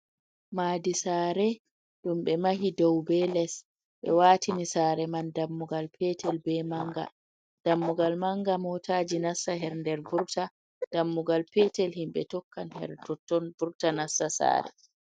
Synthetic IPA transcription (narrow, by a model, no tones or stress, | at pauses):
maːdisaːɾɛ | ɗumɓɛmaɦidɔwbɛlɛs | ɓɛ̰waːtʰinisaːɾɛmandamːuɡalpʰɛtʰɛlbɛmaŋɡa̰ | d̥amːuɡalmaŋɡamɔtʰaːd͡ʒinasːaɦɛɾndɛɾvuɾta | d̥amːuɡalpɛtɛlhimɓɛtɔkːanhɛ̰ɾtɔtːɔnvuɾtanasːasa̰ːɾɛ̰